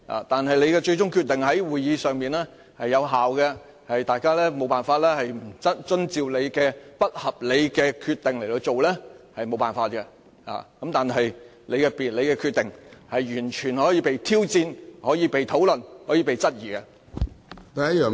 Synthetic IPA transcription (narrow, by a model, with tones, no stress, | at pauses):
a̰ː˨˩t̪aː˨nɦɐ˨jle˨˧jkɛː˧t͡ʃɵ˧ɥt͡ʃʊ˥ŋkʰy˧t̚t̪ɪ˨ŋhɐ˨˥jwuː˨jiː˨˧sœː˨ŋmiː˨˩nɛː˥ | hɐ˨jːɐ˨˧wɦaː˨wɡɛ˧ | hɐ˨jt̪aː˨jkaː˥lɛː˥mo˨˧wpaː˨˩nfaː˧t̚lɛː˥hɐ˨jm̩˨˩t͡sɐ˥t̚t͡ʃɵ˥nt͡siː˨wle˨˧jkɛː˧pɐ˥t̚hɐ˨p̚le˨˧jkɛː˧kʰyː˧t̪ːɪ˨˩ŋle˨˩jt̪o˧wt͡ʃo˨wlɛː˥hɐ˨jmo˨˧wpaː˨nfaː˧t̚kɛ˧ | ha̰ː˨kɐ˦˥mt̪aː˨nɦɐ˨j | le˨˧jkɛː˧piː˨t̚le˨˧jkɛː˧kʰyː˧t̚t̪ɪ˨ŋhɐ˨jyː˨˩nt͡ʃʰyː˨˩nhɔː˨˥jiː˧pe˨jt̪ʰiː˥wt͡siː˧nhɔː˨˥jiː˨˧pe˨jt̪ʰo˨˥wlɵ˨˩nhɔː˨˥jiː˧pe˨jt͡sɐ˥t̚jiː˨˩kɛ˧ | t̪ɐ˨˥ɐ˥jœː˨